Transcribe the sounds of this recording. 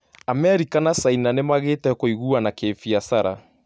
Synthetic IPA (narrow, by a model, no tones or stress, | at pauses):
amɛɾikanasainanemaɣeːtɛkoiɣuanakeːfiasaɾa̰